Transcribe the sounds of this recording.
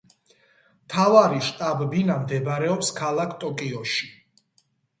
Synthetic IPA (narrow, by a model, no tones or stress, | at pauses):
mt̪ʰavaɾiʃt̪ʼabɛbinamd̪ɛbɾɛɔpskʰalˠakʰt̪ʼɔkʼiɔʃi̥